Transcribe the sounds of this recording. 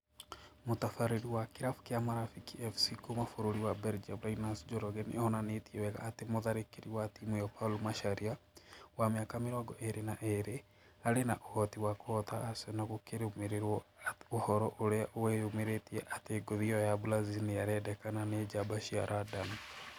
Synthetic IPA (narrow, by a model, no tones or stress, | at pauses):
motafaɾiɾiwakiɾafu̥kiamaɾafikiɛfsikomafoɾoɾiwabɛɾd͡ʒablainasd͡ʒɔɾɔɡɛnʔḛhɔnanetiewɛka̰ːtemoðaɾekeɾiwatimujɔpalumaʃaɾiawameakamiɾɔɡɔʔeɾenaʔeɾe | aɾenaʔohɔtiwakɔɔtaːsonakokeɾeomeɾeɾwɔohɔɾɔʔoɾeaʔoweomeɾetiɛʔateɡoðiɔjabulazinijaɾɛdɛkananed͡ʒabaʃia̰ɾʔadam